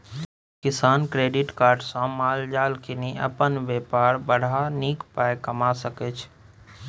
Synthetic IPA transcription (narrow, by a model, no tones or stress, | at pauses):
kɪsaːnkɾeːɖɪʈkaːɾɖsãmaːld͡ʒaːlkiniʔə̰pənʋepaːɾbəɽ̤ʱanikpajkəmasəkɛt͡ʃʰ